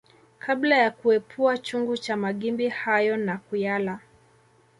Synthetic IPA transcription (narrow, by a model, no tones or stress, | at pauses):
kʰablajakuɛpʰuat͡ʃuŋɡut͡ʃamaɠimbihajɔnakujala